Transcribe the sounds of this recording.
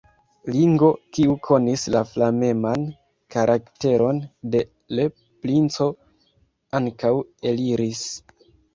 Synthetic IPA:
liŋɡo̞kiukʰo̞nislaflame̞man | kaɾʔakte̞ɾʔo̞nde̞ | le | plint͡so̞ | aŋkawe̞liɾis

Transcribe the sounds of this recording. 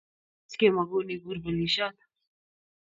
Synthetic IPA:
t͡skʲeːmɐɡoːniːɡuɾbəliːʃaːt̪

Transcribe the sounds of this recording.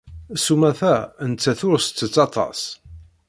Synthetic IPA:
sumæθænt͡sːæθʊɾst͡sːət͡sːɑt̪ˤɑ̰s

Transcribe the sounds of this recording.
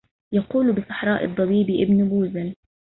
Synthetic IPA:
jaquːlbɪsˤɑ̥ħɾˤɑːʔɨ̰d̪ˤːɑbiːbiʔɪbnʊbuːzal

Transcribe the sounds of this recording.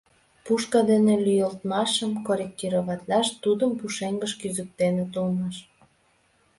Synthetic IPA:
puʃkɑd̪enelyjəlt̪mɑʃəmkoɾʲek̚t̪iɾoβɑt̪lɑʃt̪ud̪əmpuʃeŋɡəʃkyzək̚t̪enet̪ulmɑʃ

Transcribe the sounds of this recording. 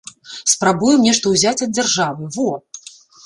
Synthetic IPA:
spɾabujɛmnʲɛʂt̪ɐwzʲat͡sʲɐd̪̚d͡zʲarʐavɨvɔ

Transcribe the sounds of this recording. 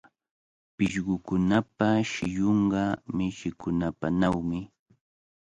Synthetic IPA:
pɪʃɢʊkʊnapaʃɪjoɴɢɑmɪʃɪkʊnapanawmɪ

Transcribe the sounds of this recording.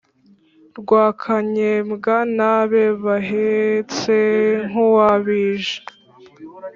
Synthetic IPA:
ɾɡwaːkʰaɲemɡanaβeβaɦet͡seŋ̥uwaβiːʒe̥

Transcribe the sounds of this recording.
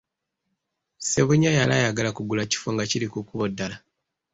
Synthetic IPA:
se̞βuɲajalajaɡalakuɡulaci̥foŋɡaciɾikukuβodːala

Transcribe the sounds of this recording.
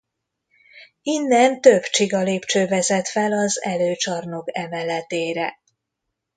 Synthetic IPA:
inːɛnt̪ø̞bt͡ʃiɡɒleːpt͡ʃøːvɛzɛt̪fɛlɒzɛløːt͡ʃɒrno̞kɛmɛlɛt̪eːɾɛ

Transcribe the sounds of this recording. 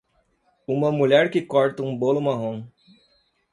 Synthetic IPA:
ũmɐmuʎɛɾkɪkɔɾt̪ɐũbolʊmaɦõ

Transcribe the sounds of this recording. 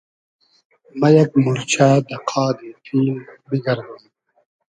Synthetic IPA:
mɐjɐk̚muɾt͡ɕʰaːd̪ɐqʰaːd̪it̪ʰiːnbiɡɐɾd̪um

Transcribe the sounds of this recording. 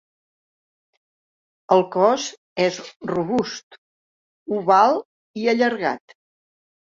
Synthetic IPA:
əlˠkɔz | ɛzruβust̪ | uβalˠ | iəʎəɾɣa̰t̪

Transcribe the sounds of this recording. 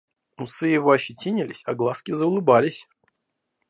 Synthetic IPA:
mʊsɨjɪvoɐɕɪtʲinʲɪlʲɪ̰sʲaɡlˠaskʲɪzəʊlˠɨbalʲɪsʲ

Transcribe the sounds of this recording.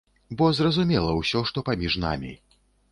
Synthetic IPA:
bɔzrɐzumʲɛlˠɐwsʲɔʂt̪ɔpamʲiʐna̰mʲḭ

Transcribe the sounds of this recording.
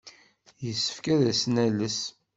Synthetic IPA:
jəsːə̥fkæðæsnæləs

